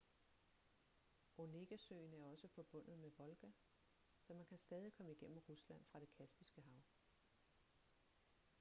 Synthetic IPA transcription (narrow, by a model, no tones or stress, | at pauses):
o̝ne̝ɡ̥æsøɪnæɐɒ̽səfɒ̽b̥ɔ̽n̰ð̞̩ˠmeʋɒ̽lɡ̥æ | sɒ̽mænkʰæsd̥ɛːð̞ˠikʰɒ̽məiɡ̥en̰m̩ʁuslæn̰fʁɑ̈ɾ̥e̝kʰæsb̥isɡ̥əɦɑ̈ʊ̰